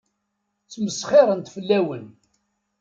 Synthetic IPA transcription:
t͡sːməsχɪɾˤənt̪fəlːæwən

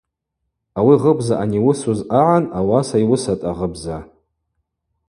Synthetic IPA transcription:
awiʁəbzaʔaniwʊsuzaʕanawasaiwʊsatʼaʁəbza

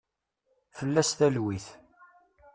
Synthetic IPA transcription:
fəlːæsθælwiθ

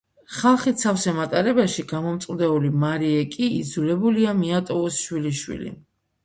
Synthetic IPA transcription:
χalˠχit̪sʰafsɛmat̪ʼaɾɛbaʃiɡamɔmt̪sʼd̪ɛulimaɾiɛkʼiːd̪zulɛbuliamiat̪ʼɔusʃwiliʃwḭlḭ

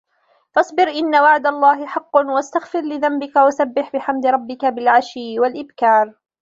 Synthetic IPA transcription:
fɑsˤbɪɾʔɪnːawaʕd̪alˤːɑːɦɪħɑqːwast̪aɣfɪɾlɪðambɪkawasabːɪħbɪħamd̪ɪɾˤɑbːɪkabɪlʕaʃɪːwalʔɪbkɑːɾˤ

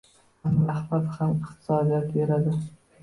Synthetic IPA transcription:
anahbat̪hamɪqt̪ʰɪ̥sɒd̪ijat̪be̞ɾad̪ɪ

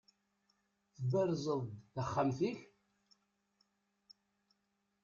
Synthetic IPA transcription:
θəbæɾzˤəðˤθaχːamθiç

